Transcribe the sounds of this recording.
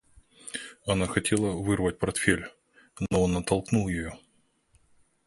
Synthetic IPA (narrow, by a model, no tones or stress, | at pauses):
ɐnaxɐtʲʰe̞lˠəvɨrvət̚ʲpɐrt̪fʲelʲ | noonːət̪ɐlˠknulˠjɪjo